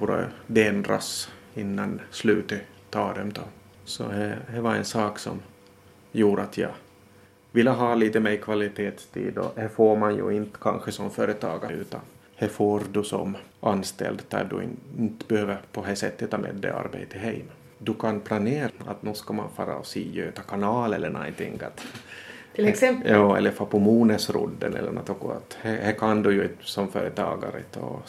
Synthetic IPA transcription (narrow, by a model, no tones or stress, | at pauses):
uɾə̰d̪ɛɛnd̪ɾa̰s | ɪnːanslʉ̟ːt̪ə | t̪ʰɑːd̪ɛmd̪ɑ | sɔ̰hæhævaɾɛ̰nsɑːksɔ̰m | juːɾəat̪ʰjɑ̰ | vɪlːəɦɑːliːt̪əmɛkʰvalɪt̪ʰeːt̪st̪ʰḭːd̪ɔ̰hæfoːɾmanjɵ̰ɪnt̪kʰanɧəsɔmføːɾət̪ʰɑːɡaʉ̟ːt̪a̰n | hæfoːɾd̪ɵsɔ̰mʔɑnːst̪ɛ̰ld̪d̪æ̰ɖ̪ɵ̰ɪ̰nɪnt̪bɛhøːvəɾpʰɔɦæsɛt̪ːət̪ʰːɑːmḛːd̪ːɛ̰a̰ɾbḛjt̪ʰəɦɛɪm | d̪ɵkʰanpʰlaneːɾat̪nʉːskɑma̰nfɑːɾa̰siːjøːt̪ɑkʰanɑːlɛlːəɳajnt̪ɪ̰ŋɡa̰t̪ | jɑːɛ̰lːəfopʰɔmuːnəsɾʊ̰d̪ːə̰nɛ̰lːə̰ɳnɔ̰t̪ɔɡɔa̰t̪hæhækʰand̪ɵjʉɪsɔmføːɾət̪ʰɑ̰ːɡaɾə̰t̪ʰɔ̰